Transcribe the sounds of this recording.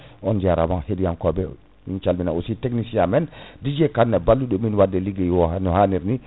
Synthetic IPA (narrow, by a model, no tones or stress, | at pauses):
ɔnd͡ʒaɾamanhedijankɔbɛ | mint͡ʃalminaositeknisijamɛndid͡ʒɛkanːɛbalːuɗɔminwadːɛliɡɛwɔnɔhaniɾni